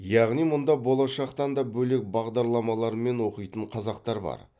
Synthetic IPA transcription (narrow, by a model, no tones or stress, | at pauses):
jɑʁnijmʊnd̪ɑbo̞lˠɑʃɑqt̪ɑnd̪ɑbɵle̞k̚bɑʁd̪ɑɾlˠɑmɑlˠɑɾəme̞nwo̞qəjt̪əɴqʰɑzɑqt̪ɑɾbɑ̰ɾ